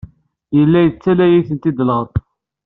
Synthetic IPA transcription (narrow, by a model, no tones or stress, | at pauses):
jəlːæjət͡sːælæjiθənt̪id̪ləʁt̪ˤ